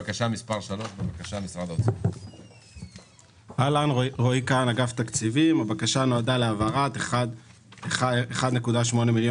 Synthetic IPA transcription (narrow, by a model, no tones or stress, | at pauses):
akaʃamispaʁʃalo̞ʃbebakaʃamisʁad̪aot͡s | alanʁo̞ikanaɡavt̪akt͡sivimabakaʃano̞ad̪aleavaʁat̪ead | aeχad̪ne̞kud̪aʃmo̞nemiljo